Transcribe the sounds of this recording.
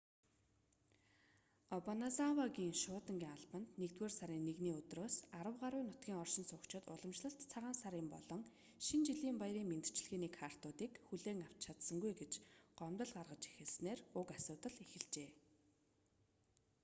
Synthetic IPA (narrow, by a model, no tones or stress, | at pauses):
ɔpɔnasawaɡiːŋʃʊːt̪ə̆ŋɡʲiːŋaɮpə̆nt̪nekt̪weːrsaɾiːnːeɣniːɵt̪roːsaɾə̆wɢaɾʊːnʊt̪̚ɡʲiːŋɔrʃɪ̆nsʊkt͡ɕʰɪ̆t̪ʊ̰ɮə̆mt͡ɕɮə̆ɬt̪t͡sʰaʁaːnsaɾiːmpɔɮɞ̆ŋ | ʃint͡ɕiɮiːmpajɾiːŋment̪ɘ̥̆t͡ɕ̆ɮɣeːniːkʰar̥t̪ʊːt̪iːkxuɮeːŋaw̥t͡ɕt͡ɕʰat̪sə̆ŋɡujɡet͡ɕɢ̥ɔmt̪ə̆ɮɢarʁə̆t͡ɕi̥xɘ̆ɮsneːrʊkasʊːt̪ə̆ɮexɘ̆ɮt͡ɕeː